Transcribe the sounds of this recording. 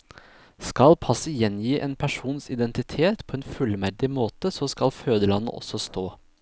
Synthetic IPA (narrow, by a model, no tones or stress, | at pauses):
skɑlpʰɑsəjɛnjiːʔeːnpʰæʂuːnsɪd̪ɛnt̪ɪt̪ʰeːt̪pʰoːeːnfʉlmæɾɖ̪ɪmoːt̪əsoːskɑlføːd̪əlɑnə̰ʔɔ̰sɔst̪oː